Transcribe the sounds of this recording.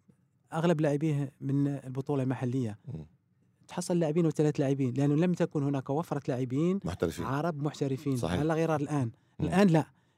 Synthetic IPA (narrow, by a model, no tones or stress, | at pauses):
ʔaɣlæblaʕəbihmənlbot̪ˤulɑlmaħalːəjːa | t̪ħɑsˤːɑllːaʕbiːnwət̪ælæt̪laʕəbinlʔænːuləmt̪ækunhʊnækwæfɾˤɑt̪laʕəbiːnm̰t̪ɾ̰ʕɑɾˤɑbmʊħt̪æɾəfiːn̰ʕalːæɣiɾˤɑɾˤlʔæn | ʔəlʔænlæʔ